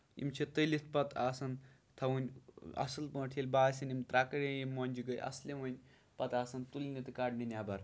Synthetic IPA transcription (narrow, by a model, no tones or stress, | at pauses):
ḭmt͡ʃʰit̪əlʲit̪ʰpɐt̪aːsɐn | t̪ʰɐwunʲɐ̰sɨlpə̃ːʈʰilʲbaːsʲɐnʲimt̪ɾaːkɐɾʲejimonʲd͡ʒiɡɐjʔɐ̰slʲemɐnʲ | pɐt̪aːsɐnt̪ulʲnit̪ɨkaːɖninʲaːbɐɾ